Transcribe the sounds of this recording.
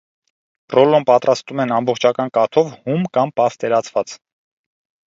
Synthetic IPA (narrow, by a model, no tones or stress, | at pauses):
prɔlɔmpɑt̪ɾɑst̪umɛnɑmbɔχt͡ʃʰɑkɑnkɑt̪ʰɔvhumkɑmpɑst̪ɛɾɑt͡sʰvɑt͡s